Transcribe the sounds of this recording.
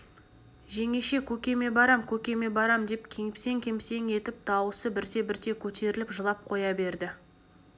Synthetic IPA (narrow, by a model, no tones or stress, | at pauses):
ʒe̞ŋe̞ʃe̞kʲʰɵkʲe̞me̞bɑɾɑmkʲʰɵkʲe̞me̞bɑɾɑmd̪e̞pkʲʰe̞ŋɪpse̞ŋkʲʰe̞mse̞ŋe̞t̪ɪp̚t̪ʰɑwəsəbɪɾt̪e̞bɪɾt̪e̞kʲʰɵt̪e̞ɾɪlɪpʒəlˠɑp̚qʰo̞jɑbe̞ɾd̪ɪ